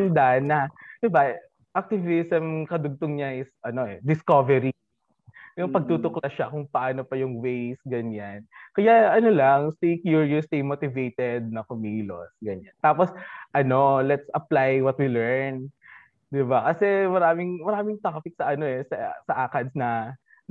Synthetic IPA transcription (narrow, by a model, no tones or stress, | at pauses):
ɪnd̪anɐd̪̥ɪba | ʔɐk̚t̪ɪvɪsɛmkɐd̪ʊɡ̚t̪ʊŋɲaʔɪsʔɐno̞ʔɛd̪ɪskovɛɾi | jʊŋpɐɡ̚t̪uːt̪ʊklɐʃakʊŋpɐʔaːnopɐjʊŋwejsɡɐɲankɐjaɐnolaŋst̪ejkjuɹjust̪ejmoːt̪ɪvejt̪ɛd̪̚nɐkomiːlo̰sɡɐɲant̪aːposʔɐno̞lɛt̪sɐplajwɐt̪̚wilɛɹn | d̪ɪbakɐsɛmɐɾaːmɪŋmɐɾaːmɪŋt̪apɪk̚sɐʔɐno̞ɛsɐsɐʔakɐd̪snɐ